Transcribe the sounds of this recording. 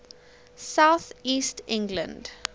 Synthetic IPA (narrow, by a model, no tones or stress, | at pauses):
saʊθiːstɪ̃ŋɡlə̰̃nd